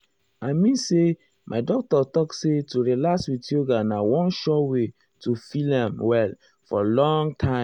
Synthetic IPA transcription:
aɪmĩnse | mʔaɪdɔk̚tɔtɔksetuɹilaswitoɡanawɔ̃nʃɔwe | tufilãmwɛl | fɔ̰lɔ̃ŋtʰã

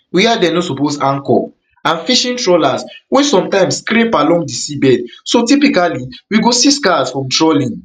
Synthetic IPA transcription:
wiadɛ̃nosɔposãŋkɔ̰ | ãnfiʃĩntɹɔlaswesɔ̃mtãɪ̃mskɾepalɔ̃ŋɡdisibɛdsotipikaliwiɡosiskasfɹɔ̃mtɹɔlĩn

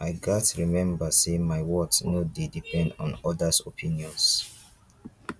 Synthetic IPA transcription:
ʔaɪɡatɹimɛ̃mbasemaɪwɔksnodedipʰɛ̃ndɔ̰̃nɔdasopʰĩniɔ̃ns

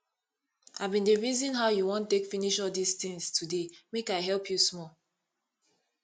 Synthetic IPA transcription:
havbĩndəɹizĩnɦaʊjuwɔ̃ntekfiniʃɔdistĩŋstʰudemekaɪɦɛlpʰjusmɔ

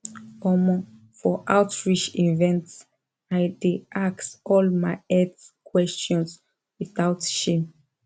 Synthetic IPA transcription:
ɔmɔ | fɔʔawtɹit͡ʃivɛ̃nts | ajdeʔaksɔlmaɪɛd | kwɛstɔ̃ns | wiθaʊtʃĩm

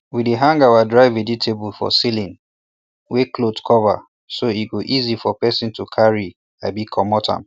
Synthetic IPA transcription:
wideɦãŋɡawadɹaɪveditʰebulfɔ̰silĩn | weklotkʰɔva̰ | soiɡoʔizifɔpɛsĩntʰukʰaɹi | abikʰɔmɔtʰã̰m

